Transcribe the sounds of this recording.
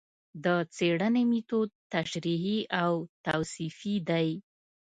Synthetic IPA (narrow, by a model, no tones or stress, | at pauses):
d̪ət͡seɽənemit̪ot̪aʃɾiɦiawt̪awsifid̪aj